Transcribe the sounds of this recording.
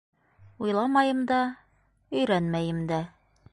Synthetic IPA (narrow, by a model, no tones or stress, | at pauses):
ujlˠɑmɑjɤ̆md̪ɑ | ɵ̆jɾænmæjɘ̆md̪æ